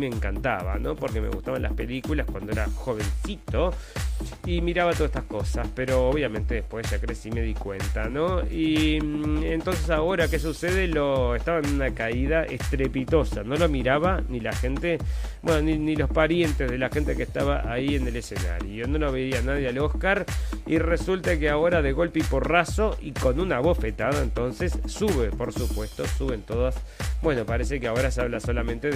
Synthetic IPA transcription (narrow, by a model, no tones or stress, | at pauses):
meːŋkant̪a̰βa̰no̞po̞ɾkemḛɣṵt̪aβa̰nla̰spe̞likulaskwa̰nd̪oeɾaxo̞βe̞nsit̪o̞ | imiɾaβat̪oset̪ahko̞saspeɾo̞oβjamẽ̞nt̪eðehpwezʒakɾesime̞ðikwḛnt̪ano̞i | ent̪o̞ns̬esao̞ɾakes̬useðeloeht̪aβanunakaiðaʔḛht̪ɾepit̪o̞sa̰no̞lomiɾaβanilaxe̞nt̪ebbwenoninilo̞hspaɾje̞nt̪e̞zðelaxe̞nt̪ekeht̪aβaʔaiene̞lesena̰ɾjono̞noβeianaðjealo̞hkaɾiresult̪akeao̞ɾaðe̞ɣo̞lpiporaso̞ʔiko̞nunaβo̞sfet̪aðaent̪o̞nse̞sːuβepo̞ɾsupwe̞st̪o̞suβent̪o̞ðasbwe̞no̞paɾesekeao̞ɾasaβlaso̞lamẽnt̪e